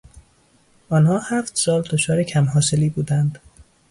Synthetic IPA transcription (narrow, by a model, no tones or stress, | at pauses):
ɒːnhɒːhæft̪sɒːld̪ot͡ʃʰɒːɾecʰæmɦɒːse̞liːbuːd̪ænd̪